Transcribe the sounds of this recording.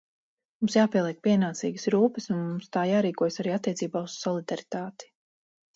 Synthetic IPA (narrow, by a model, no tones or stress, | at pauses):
mumsjaːpiɛlˠiɛk̚piɛnaːt̪sḭːɡəsɾuːpəsunmumst̪aːjaːɾiːkuɔjsaɾiːat̪ːiɛsiːbaːuz̥sɔlˠid̪aɾit̪aːt̪i̥